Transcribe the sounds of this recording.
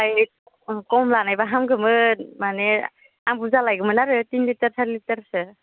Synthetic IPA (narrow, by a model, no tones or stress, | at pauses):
aj | kɔmlanajbaɦamɡɯmɯmane | ambuzalajɡɯmɯnaɾɯtinlitaɾsʰaɾlitaɾsɯ